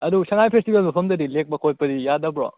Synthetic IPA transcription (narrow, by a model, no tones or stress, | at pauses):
ɐdusɐŋajpʰestibelmɐpʰɐmdɐdilek̚mɐkʰot̚pɐdijadɐbɾɔ̰